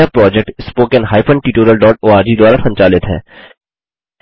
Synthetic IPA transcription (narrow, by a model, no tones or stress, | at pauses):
apɾɔːd͡ʒɛk̚ʈɪspoːkɛ̃nɦaːɪpʰə̃ɳɖʈiːʈoːɾijəlɖɔːʈoːaːɾd͡ʒid̪ʊaːɾasʰɐ̃ɲt͡ʃaːlɪt̪ɦɛ̰ː